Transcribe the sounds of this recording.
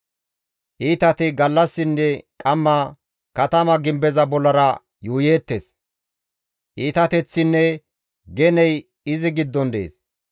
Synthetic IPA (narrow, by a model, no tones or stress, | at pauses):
ʔiːt̪ɐt̪ɪɡɐlːɐsːɪnːɛkʼɐmːɐ | kɐt̪ɐmɐɡɪmbɛzɐbɔlːɐɾɐ | juːjeːt̪ːes | ʔiːt̪ɐt̪ɛt͡sːɪnːɛ | ɡɛnɛj | ɪzɪɡɪd̪ːɔnd̪eḛːs